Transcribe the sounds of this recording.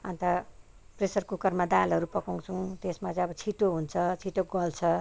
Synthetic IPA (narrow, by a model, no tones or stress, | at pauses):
ant̪a | presʌrkukʌrmad̪alɦʌɾupʌkoŋt͡sʰũt̪esmat͡sʌ̃ʌbʌt͡sʰiʈoɦunt͡sʰʌt͡sʰiʈoɡʌlt͡sʰʌ